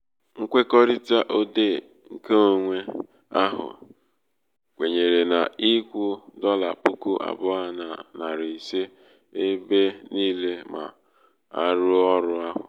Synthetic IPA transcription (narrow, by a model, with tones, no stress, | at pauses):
ŋ̩˦kʷe˦kɔ˦ɾi˦ta˦ʔo˦de˦˨ | ŋ̩˨ke˦o˦ŋʷe˦ | a˦ɦʊ̰˨ | kʷe˨ɲe˨ɾe˨na˨i˦kʷu˦dɔ˦la̰˨pu˦ku˦ʔa̰˨bʊ˦a˨na˨na˨ɾi˨i˨se˦ | e˦be˦niː˦le˦ma̰˨ | a̰˦ɾʊ˦ɔ˦ɾʊ˦a˦ɦʊ̰˨